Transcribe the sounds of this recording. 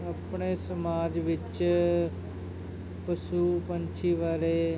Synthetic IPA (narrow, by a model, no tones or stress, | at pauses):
əpɳeːsəmaːd͡ʒʋɪt͡ʃ | pəsuːpəɲt͡ʃʰiːʋaːɾeː